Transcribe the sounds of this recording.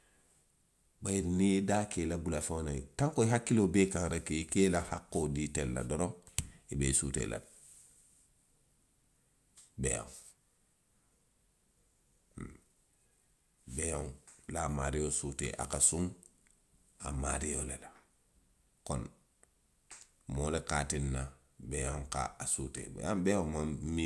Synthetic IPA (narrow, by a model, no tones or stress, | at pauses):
bajiɾnidakelabulafanajtaŋkoiɦakːilobeːkãŋɾakiikeːlahakːoditelːa̰doɾoibeːsṵtḛːlʔa̰d̚ | bḛjo̰ŋ | bejoŋlamaɾijosutḛʔa̰kasuŋ | a̰maɾijolela | kon | molekatinːa | bejoŋka̰asutḛb̰abejomami